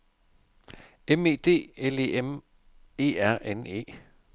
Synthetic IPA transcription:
eme̝̰ːd̥e̝̰ːele̝̰em | e̝̰ːæɐ̰ʔene̝̰ː

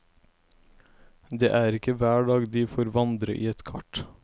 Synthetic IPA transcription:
d̪eːʔæːɾɪkəʋæːɖɑːɡd̪iːfoːɾʋɑnd̪ɾə̰ʔiːɛt̪kʰɑʈ

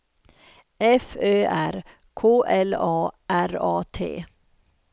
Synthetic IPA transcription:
ɛføːʔæɾ | kʰoːʔɛlɑːʔæɾɑːt̪ʰḛː

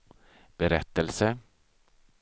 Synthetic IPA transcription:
b̥ɛɾɛt̪ːəlsə

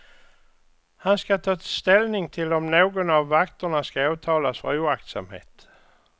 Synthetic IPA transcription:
hanskat̪ʰɑːst̪elnɪŋt̪ʰɪlɔmnoːɡɔnaʋːakt̪ɐnaskaɑːt̪ʰɑːlasfʁɑ̰uːak̚t̪sa̰mhḛːt̪

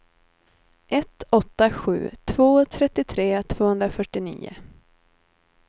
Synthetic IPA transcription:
ʔɛt̪ɔt̪ːaɧʉ̟̰ːt̪ʰvoːt̪ʰɾɛt̪ːɪt̪ʰɾeːt̪ʰvoːhɵnd̪ɾafœʈːɪnḭːʊ̰

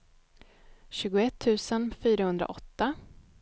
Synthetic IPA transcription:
ɕʉ̟ːɡʊɛt̪ʰːʉ̟ːsənfyːɾahɵnd̪ɾa̰ʔɔt̪ːa

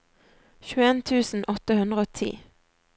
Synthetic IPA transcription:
çʉeːnt̪ʰʉːsn̩ʔɔt̪əhʉnd̪ʁəoːt̪ʰḭː

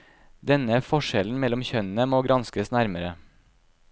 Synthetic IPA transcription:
d̪ɛnəfɔʂɛln̩mɛlːɔmçœnənəmoːɡɾɑnskəsnæɾməɾə

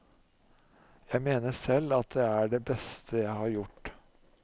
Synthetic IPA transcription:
jæɪmeːnəsɛlːɑt̪̚d̪ɛæɖebɛst̪ʰəjæɪhɑɾjʊʈː

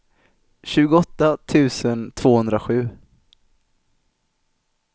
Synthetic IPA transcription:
ɕʉ̟ːɡʊɔt̪ːat̪ʰʉ̟ːsənt̪ʰv̥oːhɵnd̪ɾaɧʉ̟ː

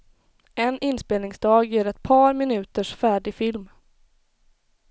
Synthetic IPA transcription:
ɛnɪnːspeːlnɪŋsd̪ɑːɡjæːɾɛt̪̚pʰɑːɾmɪnʉ̟ːt̪əʂfæːɖɪfɪlm

